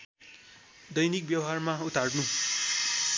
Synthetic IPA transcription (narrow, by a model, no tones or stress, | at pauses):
d̪ʌjnik̚bjʌwɦarmaut̪arnu